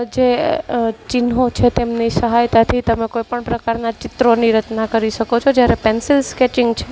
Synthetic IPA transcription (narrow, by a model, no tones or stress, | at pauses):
d͡ʒe | t͡ʃɪnɦot͡ʃʰet̪emnisəɦajt̪at̪ʰit̪əmekojpəɳpɾəkaɾnat͡ʃɪt̪ɾoniɾət͡ʃnakəɾiʃəkot͡ʃʰod͡ʒjaɾepɛnsɪlskɛʈɪŋɡt͡ʃʰe